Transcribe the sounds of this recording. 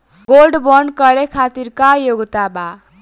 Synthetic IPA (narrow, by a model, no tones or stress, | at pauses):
ɡolɖbʌnkʌɾekʰat̪irkajoɡt̪aba